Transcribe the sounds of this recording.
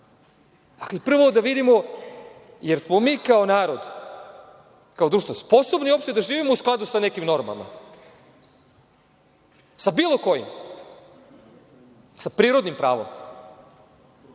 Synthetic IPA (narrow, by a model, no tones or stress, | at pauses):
d̪aklipr̩ʋod̪aʋid̪imo | jeɾsmo̞miːkaonaːɾo̞d̪ | kao̞d̪ɾuːʃt̪ospo̞sobnio̞pʃt̪ijd̪aʒiːʋimousklˠad̪usanekimno̞ɾma̰lˠma̰ | sabiːlˠoko̞jḭm | sapɾiːɾo̞d̪nimpɾa̰ːʋo̰m